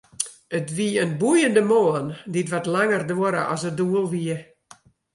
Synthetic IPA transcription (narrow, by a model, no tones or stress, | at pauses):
ətʋiənbujəndəmoːənditʋatlaŋərdoɾə̰ʔɔ̰səduəlˠʋiə